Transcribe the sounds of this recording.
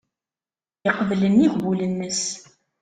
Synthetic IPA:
jəqvələnːiʝwulənːəs

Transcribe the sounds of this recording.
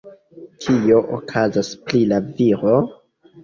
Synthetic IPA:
kʰio̞ʔokʰazasplilaviɾo

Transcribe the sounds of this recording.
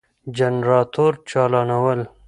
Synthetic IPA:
d͡ʑɐnɾɑːt̪ʰoːɾt͡ʃɑːlɑːnɐwəl

